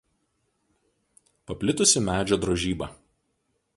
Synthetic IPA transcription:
pɐpʲlʲɪt̪ʊsʲɪmʲæːd͡ʒʲoːd̪ɾɔʒʲiːbɐˑ

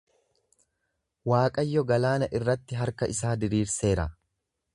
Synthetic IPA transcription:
waːkʼɐjːɔɡɐlaːnɐʔɪrːɐt̪ːɪɦɐɾkɐʔɪsaːd̪ɪɾiːɾse̞ːɾɐ

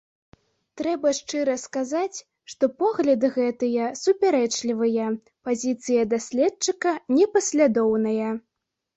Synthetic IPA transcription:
t̪ɾɛbɐʂt͡ʂɨɾɐskazat͡sʲ | ʂt̪ɔpɔɣlʲɐd̪ɨɣɛt̪ɨjɐsupʲaɾɛt͡ʂlʲivɨjɐ | pazʲit̪sɨjɐd̪asʲlʲɛtt͡ʂɨkɐnʲɛpɐsʲlʲad̪ɔwnɐjɐ

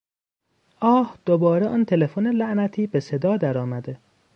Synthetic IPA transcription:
ʔɒːhd̪̥obɒːɾeʔɒːnt̪ʰe̞lefonelæʔnæt̪ʰiːbe̞se̞d̪ɒːd̪æɾɒːmæd̪e

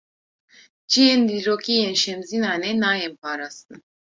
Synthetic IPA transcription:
d͡ʒiend̪iɾokʰiɛnʃɛmzinanɛnajɛmpʰaːɾasɯn

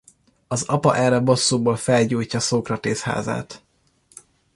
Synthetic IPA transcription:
ɒzɒpɒ̰ʔɛrɛbo̞sːuːboːlfɛlɟuːjcːɒsoːkrɒt̪eːsha̰ːza̰ːt̪

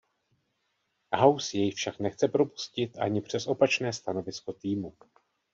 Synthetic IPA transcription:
ɦawsjɛjfʃaknɛxt͡sɛpɾo̞pu̥scɪt̪ʔa̰ɲɪpr̝̥ɛsʔo̞pat͡ʃnɛːst̪ano̞vɪsko̞t̪iːmu

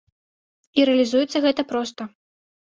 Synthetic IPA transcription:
iɾɛɐlʲizujɛt̪sːɐɣɛt̪ɐpɾɔst̪ɐ

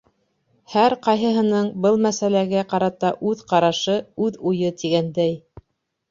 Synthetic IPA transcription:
hæɾqɑjɦɤ̆ɦɤ̆nɤɴbɤlˠmæsælæɡæqɑɾɑt̪ɑʔʉðqɑɾɑʃɤʉðujɤt̪iɡænd̪æj

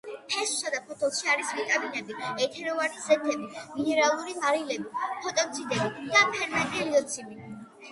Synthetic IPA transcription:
pʰɛsu̥sad̪apʰɔt̪ʰɔlˠʃiaɾisvit̪ʼaminɛbiɛt̪ʰɛɾɔvanizɛt̪ʰɛbiminɛɾalˠuɾimaɾilɛbipʰɔt̪ʼɔkt̪sʰid̪ɛbid̪̥apʰɛɾmɛt̪ʼiɛliɔt̪sʰimi

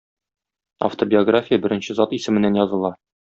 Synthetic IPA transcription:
ɐ̰ft̪obʲɪoɡrafʲijəbɘ̆ɾɘ̆nɕɘzɑt̪isɘ̆mɘ̆nːænjɒzɤ̆lˠɑ

